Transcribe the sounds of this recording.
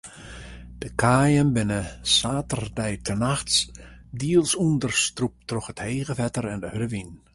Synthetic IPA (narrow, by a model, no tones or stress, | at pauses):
d̥əkʰaːjənbɪnəsaːtərdɛjtʰənaxtsdiəlˠsundərstrup̚trɔxətheːɣəfɛtərɛndəhøɾəʋin